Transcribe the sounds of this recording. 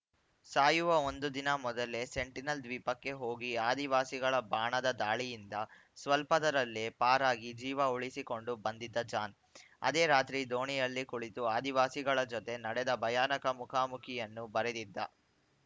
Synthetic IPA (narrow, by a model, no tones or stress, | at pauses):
saːjuʋɐo̞nd̪ud̪inɐmɔd̪ɐle̞se̞ɳʈinɐld̪ʋiːpɐkːe̞ɦo̞ːɡiaːd̪iʋaːsiɡɐɭɐbaːɳɐd̪ɐd̪aːɭijind̪ɐ | sʋɐlpɐd̪ɐɾɐlːepaːɾaːɡid͡ʒiːʋɐuɭisiko̞ɳɖubɐnd̪id̪ːɐd͡ʒaːn | ɐ̰d̪eːɾaːt̪ɾid̪o̞ːɳijɐlːikuɭit̪uaːd̪iʋaːsiɡɐɭɐd͡ʒɔt̪e̞nɐɽɛd̪ɐbʱɐjaːnɐkɐmukʰaːmukʰijɐnːubɐɾed̪id̪ːɐ̰